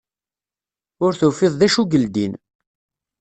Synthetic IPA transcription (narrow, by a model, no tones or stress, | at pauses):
ʊɾθufɪðˤðæʃuɡəld̪in